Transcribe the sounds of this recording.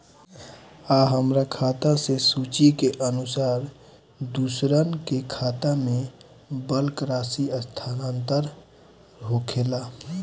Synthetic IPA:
aɦəmɾakʰaːt̪asesuːt͡ʃikeʔənʊsaːɾ | d̪uːsɾənkekʰaːt̪amẽ | bəlkɾaːsiəst̪ʰaːnaːnt̪əɾ | ɦoːkʰelaː

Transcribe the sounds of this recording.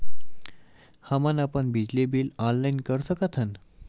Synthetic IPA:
hamənapəɳbid͡ʑlebiːlɔnlainkəɾsəkət̪ʰən

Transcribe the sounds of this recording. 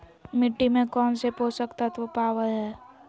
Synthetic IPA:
mɪʈːimẽkɔːnsepɦosəkt̪at̪opaːʋəlɦɛː

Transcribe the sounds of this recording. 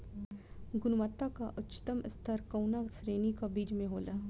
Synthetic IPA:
ɡʊnʋət̪ːakaʔʊtːʃə̥t̪əmɪ̰st̪ʰəɾkɐwnasɾeːnikabiːd͡ʒmẽɦoːlaː

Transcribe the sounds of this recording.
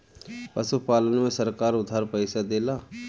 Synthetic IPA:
pəsupaːlənmẽsɐɾkaːɾʊd̪ʱːaːɾpəɪsad̪eːlaː

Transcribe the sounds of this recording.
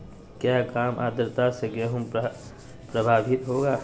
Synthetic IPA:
kjaːkaːmʔa̰ːd̪əɾt̪aseɡeɦʊm | pɾəbʱaːbʱɪt̪ɦoːɡaː

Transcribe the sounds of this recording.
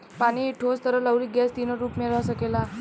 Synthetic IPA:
paɽ̃iʈʰost̪ʰəɾələwɾiɡɛst̪inəɾuːpmeɾasəkela

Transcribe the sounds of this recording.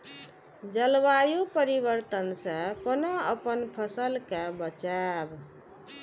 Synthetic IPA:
d͡ʒəlbajupəɾiβəɾt̪ənsə̃konoəpənpʰəsəlkabət͡ʃab

